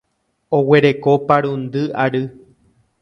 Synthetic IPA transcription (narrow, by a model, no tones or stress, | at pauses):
owe̞ɾe̞kopaɾũnd̪ɨʔaɾɨ